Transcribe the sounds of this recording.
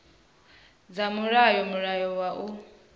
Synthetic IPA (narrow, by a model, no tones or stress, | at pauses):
d͡zamuɾajɔmuɺajɔwaʔu